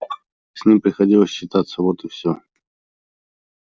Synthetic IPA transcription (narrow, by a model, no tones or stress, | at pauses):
sʲnʲimpɾʲɪxɐdʲilˠəsʲɕːɪt̪at̪səvot̪ɨfsʲɵ